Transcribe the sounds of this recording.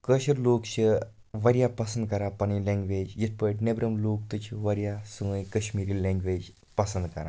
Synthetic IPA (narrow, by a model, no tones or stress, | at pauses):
kəɕəɾloːkɕə | ʋəɾjapəsənd̪̚kɐɾapañilɛ̃ŋɡʋed͡ʑjit̪̚ʰpəʈnebɾəmloːk̚t̪ut͡ɕʰiʋəɾjasuʋə̃jkəɕmiɾiːlẽŋɡʋed͡ʑ | pəsənd̪kɐɾã̰